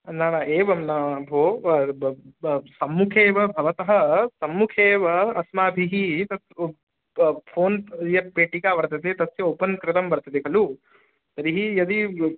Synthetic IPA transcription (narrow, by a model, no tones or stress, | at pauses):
naːnaːeːʋɐmnaːbʱoː | sɐmːukʰeːʋɐbʱɐʋɐt̪ɐɦɐsɐmːukʰeːʋɐɐsmaːbʱiɦit̪ɐt̪ | pʰoːnjɐpeːʈikaːʋɐɾt̪ɐt̪et̪ɐt̪sjɐoːpɐnkɾɪt̪ɐmbɐɾt̪ɐt̪ekʰɐlu | t̪ɐɾiɦijɐd̪i